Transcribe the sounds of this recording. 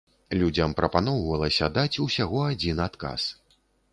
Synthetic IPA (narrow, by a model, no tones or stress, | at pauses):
lʲud͡zʲɐmpɾɐpan̪ɔwvɐlˠɐsʲɐd̪at͡sʲusʲaɣɔad͡zʲinat̪ka̰s